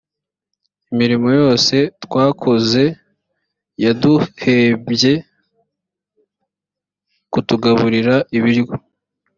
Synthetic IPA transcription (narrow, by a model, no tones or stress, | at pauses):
imiɾimo̞jo̞ːse̞twaːkʰo̞ze̞ | jaduhebje̞ | kutuɡaβuɾiɾaiβiɾɡo